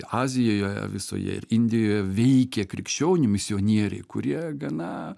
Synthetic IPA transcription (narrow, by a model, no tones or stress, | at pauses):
ɑːzʲɪjoːjoːjɛ̰ʋʲɪso̰ːjɛ̰ɪ̰ɾɪnʲd̪ʲɪjoːjɛʋʲɛɪkʲekɾʲɪkʃʲt͡ʃʲoːnʲɪmʲɪsʲɪoːnʲiɛɾʲɛ̰ɪkʊɾʲiɛɡɐnɑ